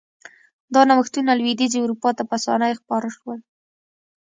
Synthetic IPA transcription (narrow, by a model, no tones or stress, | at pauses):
d̪ɑnawəxt̪unalwid̪izewɾupɑt̪apəasɑ̰najxpɑɾəʃwəl